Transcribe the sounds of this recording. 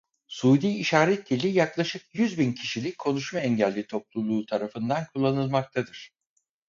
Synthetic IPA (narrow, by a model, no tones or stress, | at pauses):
suːd̪iːʃaːɾɛt̪d̪ilʲijaklˠaʃɯk̚jyzbincʰiʃilʲic̚ʲkʰːo̞nuʃmaɛɲɟælʲːit̪ʰoplˠulˠuːt̪ʰaɾafɯnd̪ankʰulˠːanɯlˠmak̚t̪ʰad̪ɯɾ̥